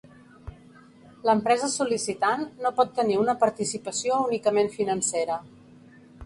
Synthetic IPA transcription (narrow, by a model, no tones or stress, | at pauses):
ləmpɾɛzəsulisit̪anːopɔt̪ːəniunəpəɾt̪isipəsiounikəmenfinənseɾə